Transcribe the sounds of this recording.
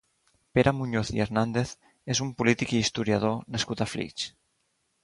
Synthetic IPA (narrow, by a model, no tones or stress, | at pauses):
peɾʔamuɲoθieɾnand̪eθ | ezumpulit̪ikiːst̪uɾjað̞onaskut̪aflḭt͡ʃ